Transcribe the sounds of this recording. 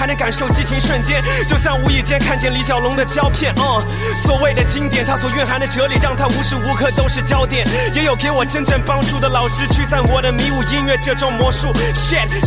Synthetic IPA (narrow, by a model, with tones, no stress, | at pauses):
ɪnə˧˥ŋka˨˩nʂo˥˩ʊt͡ɕi˥t͡ɕʰi˧˥ŋʂwə˥˧nt͡ɕjɛ˥˧˨n | t͡ɕjo˥˧ʊɕ̬jɑ˥˩ŋu˧˥i˨˩t͡ɕjɛ˥nkʰa˥˧nt͡ɕjɛ˥˩nli˧˥ɕjɑ˨˩ʊlʊ˧˥ŋd̪ə˨t͡ɕjɑ˥ʊpʰjɛ˥˩nə˥˧˩ | swɔ˨˩we˥˩ɪd̪ə˩t͡ɕi˥ŋt̪jɛ˨˩nt̪ʰa˥swɔ˨˩ɥɛ˥˩nxa˧˥nd̪ə˨ʈ͡ʂɤ˧˥li˨˩ɻɑ˥˩ŋt̪ʰa˥u˧˥ʂɻ̩˥˩u˧˥kʰɤ˥˩t̪o˥ʊʂɻ̩˥˩t͡ɕjɑ˥ʊt̪jɛ˨˩˦n | jɛ˧˥jo˨˩ʊke˧˥ɪwɔ˨˩ʈ͡ʂə˥ŋʈ͡ʂə˥˩ŋpɑ˥ŋʈ͡ʂu˥˩d̪ə˩lɑ˨˩ʊʈ͡ʂɻ̩˥t͡ɕʰy˥˧t͡sa˥˩ɪwɔ˨˩d̪ə˦mi˧˥u˧˥˩i˥nɥɛ˥˧ʈ͡ʂɤ˥˧ʈ͡ʂʊ˥˩ŋmwɔ˧˥ʂu˥˩ɕɛ˥˩n